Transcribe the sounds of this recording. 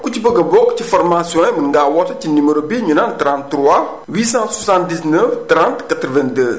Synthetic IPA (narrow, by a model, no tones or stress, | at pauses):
kut͡ʃibəɡɐbokt͡ʃifɔɾmasiɔ̃jmɨŋɡaːwɔtɐt͡ʃiniməɾobiɲunãntɾãntɾwa | wisãswasãn̚disnəftɾãntkat̪ɾvɛ̃ndə